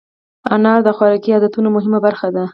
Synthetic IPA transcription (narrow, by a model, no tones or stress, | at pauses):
ɑnɑɾd̪əxwɑɾɑkiɑd̪at̪unomʊɦɪmabaɾxad̪a